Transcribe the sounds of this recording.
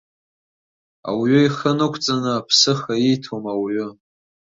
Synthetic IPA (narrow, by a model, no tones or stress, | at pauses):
a̰wɥʏiχənɨkʷʰt͡sʼanɨapʰsɨχaitʰomawiɥʊ